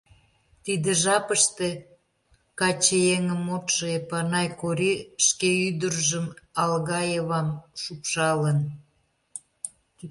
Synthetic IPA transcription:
t̪id̪ĕʒɑpəʃt̪e | kɑt͡ɕejeŋəmot̪ʃeepɑnɑjkoɾiʃkeyd̪ərʒəmɑlɣɑjeβɑmʃupʃɑlən

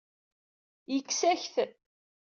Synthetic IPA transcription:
jəkːsæçθ

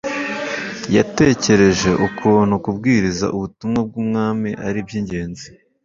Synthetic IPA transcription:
jate̞ːce̞ɾe̞ʒe̞ʔukʰuːn̥hukubɡiːɾiza̰ʔuβutumŋab̚ɡuːmŋaːmiʔaɾibjiɲɟe̞ːnzi̥

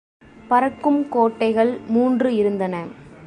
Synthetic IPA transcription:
pɐɾɐkːɯmkoːʈːɐɪɣɐɭmuːndrɯɪɾɯnd̪ɐnɐ

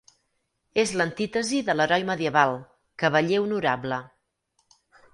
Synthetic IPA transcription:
ezlənt̪it̪əziðələɾɔjməðiəβalˠ | kəβəʎeunuɾablə

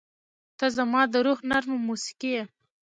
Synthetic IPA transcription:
t̪ɑzamɑd̪əɾoɣnaɾməmusi̥kije

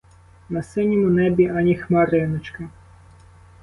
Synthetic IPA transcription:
nɐsɪnʲimʊnɛbʲiɐnʲixmɑɾɪnɪt͡ʃkɐ

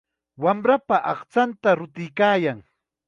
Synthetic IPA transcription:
wamɾapaʔɑχt͡sant̪aɾʊt̪ɪjkaːjaŋ

